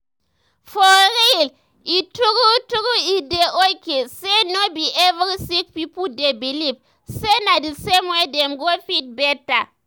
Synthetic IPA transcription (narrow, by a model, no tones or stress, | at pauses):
fɔɾil | ituɡutuɡuideʔokesenobiʔɛvɾisikpipudebilip | senadisemwedɛmɡofit̚bɛta